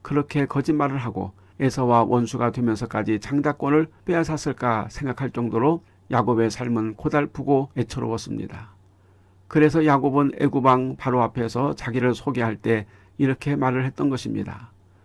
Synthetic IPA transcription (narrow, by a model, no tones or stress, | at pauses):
kɯɾʌkʰe̞kʌd͡ʑinmaɾɯɭɦaɡo̰ | e̞sʰʌwawʔʌnsʰuɡadwe̞mjʌnsʰʌk͈ad͡ʑit͡ɕaŋd͡ʑak͈wʌnɯɭp͈easʰas͈ʰɯɭk͈asʰe̞ŋɡakʰaɭt͡ɕ͈ʌŋdoɾo | jaɡobe̞sʰaɭmɯnkodaɭpʰuɡoet͡ɕʰʌɾʌ̰wʌs͈ɯmɲḭda | kɯɾe̞sʰʌjaɡobɯnḛɡubaŋpaɾoapʰe̞sʰʌt͡ɕaɡiɾɯɭsʰoɡeɦaɭt͈e̞ | iɾʌkʰe̞maɾɯɭhe̞t̚t͈ʌnɡʌɕʰimɲḭda̰